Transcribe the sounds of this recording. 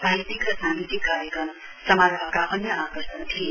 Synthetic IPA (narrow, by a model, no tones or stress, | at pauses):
bʱajt̪ikrʌsaŋɡit̪ikːaɾjʌkrʌm | sʌmaɾɦʌkaʔʌnjʌakʌsʌnt̪ʰie